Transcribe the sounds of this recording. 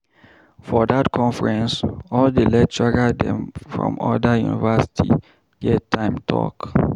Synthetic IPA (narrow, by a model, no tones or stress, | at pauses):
fɔdatkʰɔ̃nfɹɛ̃nsɔldelɛt̚tɹaɡadɛ̰̃mfɹɔ̰̃mɔ̰dajṵnḭvasi̥tʰḭ | jɛtʰãɪ̃mtʰɔ̰k